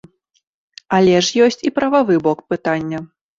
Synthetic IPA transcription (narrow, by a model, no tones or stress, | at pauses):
alʲɛʂjɔsʲt͡sʲipɾɐvavɨbɔkpɨt̪anʲːɐ